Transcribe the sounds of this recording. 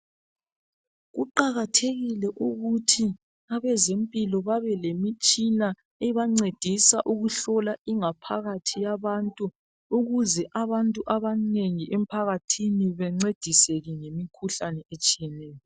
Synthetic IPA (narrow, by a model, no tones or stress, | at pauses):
ɣuǃaɣatʰeɣilɛʔuɣutʰi | aβɛzempʼilɔβaβɛlemit͡ʃʼina | eiβaŋ͡ǀed̥ʱisaʔuɣuɬɔlaiŋapʰa̰ɣatʰijaβantʼu | uɣuzɛʔaβantʼuʔaβaneŋiʔɛm̩pʰaɣatʰiniβɛŋ͡ǀed̥ʱiseɣiŋemikʰuɬanɛet͡ʃʼijɛnɛːjɔ